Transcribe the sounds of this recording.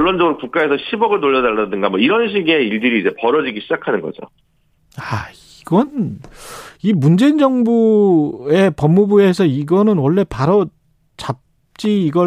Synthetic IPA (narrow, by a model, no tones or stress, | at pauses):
ɭːond͡ʑʌɡɯɾokuk͈ae̞sʰʌɕʰibʌɡɯɭnoʎːʌnaɭːadɯŋɡamwʌiɾʌnɕʰiɡe̞iɭdɯɾiːd͡ʑe̞pʌɾʌd͡ʑiɡiɕʰid͡ʑakʰanɯnɡʌ̰d͡ʑo̰ | aiɡʌn | imund͡ʑe̞ind͡ʑʌŋbu | e̞pʌmːubue̞sʰʌiɡʌnɯnwʌɭːe̞paɾo | t͡ɕap̚ | t͡ɕ͈iːɡʌ